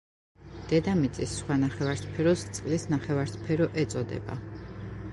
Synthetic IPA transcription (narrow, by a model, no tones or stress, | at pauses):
d̪̥ɛd̪amit̪sʼisːχwanaχɛvaɾspʰɛɾɔst̪sʼqʼlisnaχɛvaɾspʰɛɾɔʔɛt̪sʼɔd̪ɛ̰ba̰